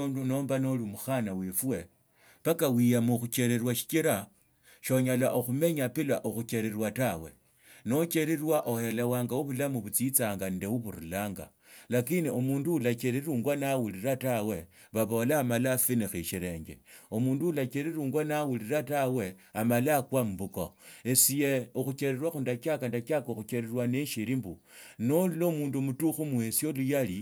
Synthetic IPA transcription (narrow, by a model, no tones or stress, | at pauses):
onduno̞ːmbano̞lumuxanawifuwe̞ | pakawijamuxut͡ʃe̞ɾeɾwaʃi̥kiɾa | ʃo̞ɲalaʔoxume̞ɲapila̰ʔoxut͡ʃeɾerwatawe̞̰ | no̞t͡ʃe̞ɾiɾwaʔohelewaːŋɡauβulamuβut͡sit͡saːŋɡandewuβuɾṵlaːŋɡa̰ | lakiniomuːnduulakeɾeɾuːŋɡwanawuliɾatawe̞ | βaβo̞laːmalafinixiʃiɾe̞ːɲɡe̞̰omuːnduulakeɾeɾuːŋɡwanawuliɾatawe̞amalakwam̩buko̰esijeoxut͡ʃeɾerwaxundakakandakakoxut͡ʃeɾerwaneʃiɾimbu | nolulomuːnduomutuxumue̞sjo̞lujali